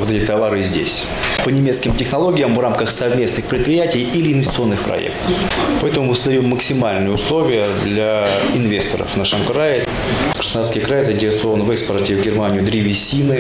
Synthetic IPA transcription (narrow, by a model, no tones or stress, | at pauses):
ot̪ɛtʲɪt̪ɐvaɾɨzʲdʲḛsʲ | pənʲɪmʲet̪skʲɪmtʲɪxnɐlˠo̞ɡʲɪjəmvramkəxsɐvmʲe̞snɨxpɾʲɪt̪̚pɾʲɪjætʲɪjilʲɪːnvʲɪsʲt̪sɨo̞nːɨxpɾɐ̰ḛkt̪ə̥fpɐɛt̪əmʊmɨsəzd̪ɐjomːəksʲɪmalʲnɨjəʊslˠo̞vʲɪjəd̪lʲaɪnvʲe̞st̪əɾə̰fnəʂəmkɾajɪ | kɾə̥sd̪aɾskʲəjkɾajzəɪnʲtʲɪɾʲɪso̞vənvɛkspərtʲɪvɡʲɪrmanʲɪjʊd̪ɾʲivʲɪsʲinɨ